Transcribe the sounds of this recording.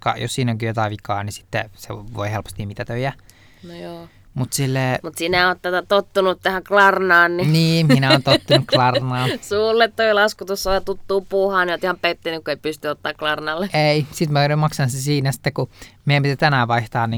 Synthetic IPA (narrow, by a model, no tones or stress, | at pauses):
kɑ̰jo̰ssiːnoŋkijot̪ɑiʋikɑ̰ːnisi̥t̪ːḛsḛʋo̰ihelpo̥st̪imit̪æt̪øijæ | nojoː | mut̪silːeːmut̪sinæot̪t̪æt̪æt̪ot̪ːunut̪t̪æhæŋklɑrnɑːnniniːminæoːnt̪ot̪ːunukklɑrnɑːsuːlːet̪ːoilɑskut̪usːɑɑt̪ut̪ːuːpuːhɑːniot̪ihɑmpet̪ːinykkueipyst̪yot̪ːɑːklɑrnɑlːeʔeisit̪mænmɑksɑnsesiːnæsi̥t̪ːekkumeempit̪it̪ænæːʋɑiht̪ɑːnni